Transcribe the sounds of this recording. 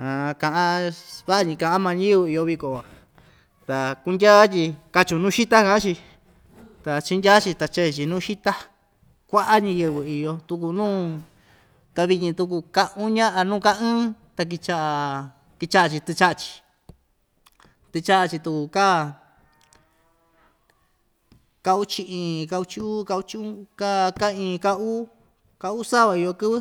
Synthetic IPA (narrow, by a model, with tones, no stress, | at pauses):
ã˨kã˧ʔã˧βa˦˧ɲĩ˧kã˧ʔa˦mã˧ɲĩ˦βɨ˧i˧o˧βi˧ko˨a˧˨ | t̪a˨ku˧ndʲa˦t̪ʲi˧ka˧t͡ʃu˧nũː˦ʃi˦t̪a˦kã˧˦t͡ʃi˧ | t̪a˨t͡ʃi˧ndʲaː˦t͡ʃi˧t̪a˧t͡ʃe˦˧t͡ʃi˧nũː˦˧ʃi˦t̪a˦ | kʷa˦ʔa˦ɲã˧jɨ˧βɨ˧i˧jo˧t̪u˧ku˧nũː˦ | t̪a˧βi˧ĩ˧t̪u˧k̬u˧ka˧ʔũ˦ɲã˦ʔa˧nũː˦˧ka˦ɨ̃ː˦t̪a˧k̬i˧t͡ʃa˦ʔa˧ | ki˧t͡ʃa˦ʔa˧t͡ʃi˧t̪ɨ˧t͡ʃa˦ʔa˧t͡ʃi̥˧ | t̪ɨ˧t͡ʃa˦ʔa˧t͡ʃi˧t̪u˧ku˧ka˦˨ | ka˧u˦t͡ʃi˧ʔĩ˧ka˧u˧t͡ʃi˦u˦ka˧u˧˦t͡ʃi˦ũ˦ka˦˧ka˦˧ĩː˧ka˦˧u˦ | ka˧u˦sa˦βa˧i˧jo˧kɨ˦βɨ˦